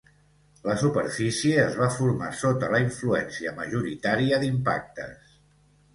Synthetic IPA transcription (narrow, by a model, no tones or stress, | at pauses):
ləsupəɾfisieəzβafuɾma̰sot̪ələiɱfluɛ̰nsiəməʒuɾit̪aɾiəðimpa̰k̚t̪ə̰s